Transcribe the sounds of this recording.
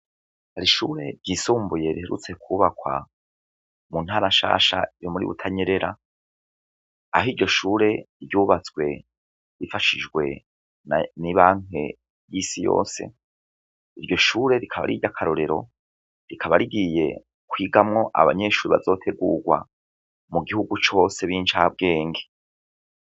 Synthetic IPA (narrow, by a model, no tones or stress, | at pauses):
haɾiʃuːɾe̞ɾɟiːsuːmbuje̞ɾiheɾṵt͡se̞kuːβakwa̰ | mun̥haːɾaʃa̰ːʃa̰jomuɾḭβṵtʰaɲeɾe̞ɾa | aɦiɾɟo̞ʃuːɾe̞ | ɾɟuːβat͡skwe̞ | ɾifaʃid͡ʒɡwe̞̰ | nniβaːŋ̥e̞ | jisijo̰ːse̞̰ | iɾɟo̞ʃuːɾe̞ɾikʰaβa̰ɾiɟakʰaɾo̞ɾe̞ɾo̞̰ | ɾikʰaβaɾiɡije̞̰ | kwiːɡamŋo̞ʔa̰βa̰ɲe̞ʃuːɾiβa̰zo̞ːtʰe̞ɡuɡwa̰ | muɡihuɡut͡ʃo̞se̞βiːnt͡ʃaːb̚ɡe̞ːŋɡe